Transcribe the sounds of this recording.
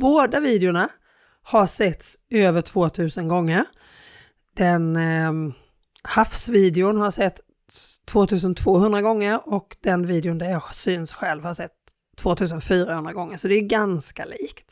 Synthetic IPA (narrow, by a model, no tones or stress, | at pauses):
boːd̪aviːd̪ɪʊɳa | haʂɛt̪søːvəʈʰv̥oːt̪ʰʉ̟ːsənɡɔŋːəɾ | d̪̥ɛn | hafsviːd̪ɪʊnhaɾʂɛt̪ʰː | voːt̪ʰʉ̟ːsənt̪ʰvoːhɵnd̪ɾaɡɔŋːəɾɔkd̪ɛnviːd̪ɪʊnd̪æɾjɑːsyːnsɧɛlvhaʂɛt̪ʰː | voːt̪ʰʉ̟ːs̬ənfyːɾahɵnd̪ɾaɡɔŋːəʂɔd̪ɛːɡanska̰liːkt̪